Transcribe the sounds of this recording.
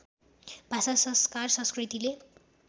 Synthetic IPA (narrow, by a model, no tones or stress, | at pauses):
b̥ʱasasʌskarsʌ̃skrit̪ile